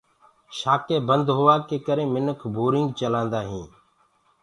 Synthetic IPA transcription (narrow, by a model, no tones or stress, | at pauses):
ʃaːkeːbənd̪ɦʊʋaːkeːkəɾẽːmɪnəkʰbʱuːɾɪŋɡt͡ʃəlãːnd̪aːɦĩː